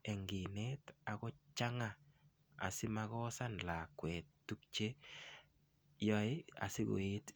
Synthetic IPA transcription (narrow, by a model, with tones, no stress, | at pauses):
ɛ˨ŋɡɪ˨nɛta˨kɔ˦t͡ʃa˦ŋa˦˨ | a̰˨sɪ˦ma˦ɣɔ˦sa˦nla˨kwɛ˨ttu˦kt͡ʃe˦ | jɔ˦ɪ˦a̰˨sɪ˦ɡo̰˨e˦t